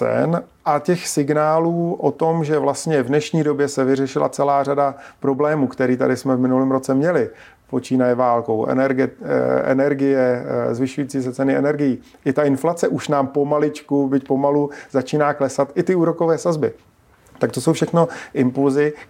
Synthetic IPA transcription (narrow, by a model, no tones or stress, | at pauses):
ɛ̰nʔacɛxsɪɡnaːluːʔot̪o̞mʒɛvlast̪ɲɛvnɛʃɲiːdo̞bjɛsɛvɪrɛʃɪlʔa̰t͡sɛlaːr̝adapɾo̞blɛːmuːkt̪ɛɾiːt̪a̰dɪsmɛvmɪnulɪːmɾo̞t͡sɛmɲɛlɪ | po̞t͡ʃiːnajɛvaːlko̞wʔɛ̰nɛɾɡɛɛ̰nɛɾɡɪjɛzvɪʃujiːt͡siːs̬ɛt͡sɛnɪɛnɛɾɡɪjiː | ʔɪt̪aɪnflat͡sɛʔuʃnaːmpo̞malɪt͡ʃkubɪcpo̞maluzat͡ʃiːnaːklɛsat̪ʔɪt̪ɪuːɾo̞ko̞vɛːsazbɪ | t̪ak̚t̪o̞sowfʃɛxno̞ʔɪmpulzɪ